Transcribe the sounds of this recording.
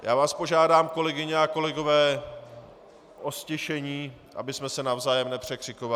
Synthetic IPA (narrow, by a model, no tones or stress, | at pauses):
ja̰ːvaːspo̞ʒaːdaːmko̞lɛɡɪɲɛako̞lɛɡo̞vɛː | ʔo̞scɛʃɛɲiː | ʔa̰bɪsmɛsɛnavzaːjɛmnɛpr̝̥ɛkr̝̥ɪkova